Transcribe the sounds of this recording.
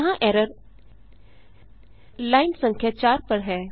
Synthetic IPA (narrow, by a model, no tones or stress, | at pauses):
ɦãʔɛːɾəɾ | laːɪnsɐ̃ŋkʰjat͡ʃaːɾpəɽɦɛː